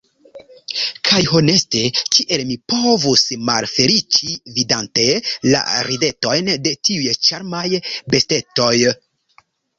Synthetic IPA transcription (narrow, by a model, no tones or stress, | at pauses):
kʰajho̞ne̞ste̞kiʔe̞lmipo̞vusmalfe̞lit͡ʃividante̞la̰ɾide̞to̞jnde̞tiujt͡ʃaɾmajbe̞ste̞to̞j